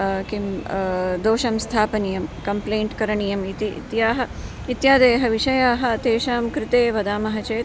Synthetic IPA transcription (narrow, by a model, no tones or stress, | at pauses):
kim | d̪oːʃɐmst̪ʰaːpɐnijɐmkɐmpleːɳʈkɐɾɐɳijɐmit̪ḭt̪jaːɦɐ̆ | it̪jaːd̪eːɦɐʋiʂɐjaːɦɐ̆t̪eːʃaːmkɾɪt̪eːʋɐd̪aːmɐɦɐt͡ʃeː